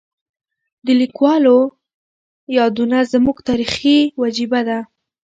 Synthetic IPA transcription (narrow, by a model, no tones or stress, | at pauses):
d̪əlikwɑlo | jɑd̪unazmuɡt̪ɑɾixiwad͡ʒibad̪a